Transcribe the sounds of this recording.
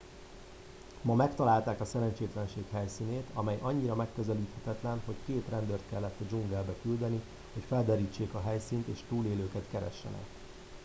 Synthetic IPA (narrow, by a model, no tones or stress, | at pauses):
mɒmɛkt̪ɒlaːlt̪aːkɒsɛɾɛnt͡ʃeːt̪lɛnʃeːkɦɛjsiːneːt̪ɒmɛjʔɒɲːiɾɒmɛkːøzɛliːt̪hɛt̪ɛt̪lɛnho̞ckeːt̪rɛnd̪ørt̪kɛlːɛt̪ːɒd͡ʒuŋɡɛlbɛkyld̪ɛni | ho̞cfɛld̪ɛɾiːt͡ʃːeːkɒɦɛjsiːnt̪eːʃt̪uːleːløːkɛt̪kɛɾɛ̰ʃːɛ̰nɛ̰k